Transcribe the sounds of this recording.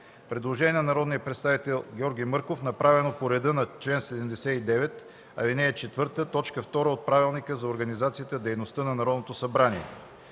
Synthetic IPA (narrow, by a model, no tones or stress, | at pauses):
pɾɛd̪lˠoʒɛnʲiɛnɐnɐɾɔd̪nijəpɾɛt̪st̪avit̪ɛlˠɡʲɔɾɡʲijmɤɾkofnɐpɾavɛnopoɾɛd̪ɤnɐt͡ʃlɛnsɛd̪ɛmd̪ɛsɛid̪ɛvɛt̪ | ɐlinɛːt͡ʃɛt̪vɤɾt̪ət̪ɔt͡ʃkəft̪ɔɾəot̪̚pɾavilˠnikəzɐoɾɡɐnizat̪sijət̪əd̪ɛjnost̪ənɐnɐɾɔd̪not̪osɐbɾaniɛ̰